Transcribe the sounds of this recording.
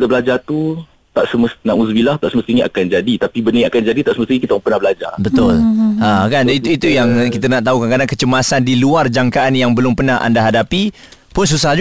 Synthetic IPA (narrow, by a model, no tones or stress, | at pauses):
t̪abəlad͡ʒat̪u | t̪aʔsəməst̪nãʔusbilaht̪aʔsəməst̪iɲia̰kand͡ʒadit̪apibənəŋakand͡ʒadit̪aʔsəməst̪iɲkit̪aaŋpənahbəlad͡ʒa̰bət̪ʊlakanit̪uit̪ujaŋkit̪ənaʔt̪aɦukankadaŋkət͡ʃəmasandiluard͡ʒaŋkaanjaŋbəlʊmpənaɦa̰ndaɦadapi | pʊns̬us̬ahd͡ʒ